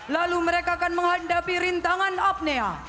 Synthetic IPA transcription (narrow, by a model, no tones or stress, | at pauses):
laluməɾekaːkanməŋɦandapiɾint̪aŋanap̚nea